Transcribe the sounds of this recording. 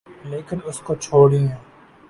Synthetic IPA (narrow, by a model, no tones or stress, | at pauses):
leːkɪnʊskoːt͡ʃʰoːɽĩːɦɛ̃ː